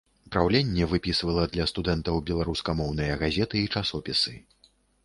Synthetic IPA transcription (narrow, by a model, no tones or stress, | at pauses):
upɾawlʲenʲːɛvɨpʲisvɐlˠɐd̪lʲɐst̪ud̪ɛnt̪ɐwbʲɛlˠaɾuskɐmɔwn̪ɐjɐɣazʲɛt̪ɨit͡ʂasɔpʲisɨ